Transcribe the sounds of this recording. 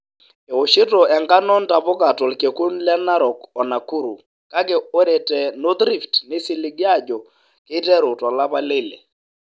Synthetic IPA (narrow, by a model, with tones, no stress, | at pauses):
e˨o˨ʃɪ˦tɔ˨ɛ˨ŋɡa˦nɔ˦n̩˦ta˨po˦ka˨tɔ˨lke˨ku˦n̩˦la˦na˦ɾɔ˨kɔ˨na˨ku˦ɾu˨ | ka˦ke˨o˦ɾɛ˨tɛ˨no˦t̪ɾi˦˨ftne˦si˨li˨˦ɡa˦˨d͡ʒɔ˨ | ke˦tɛ˦ɾo˨tɔ˨la˦pa˦le˦˨lḛ˨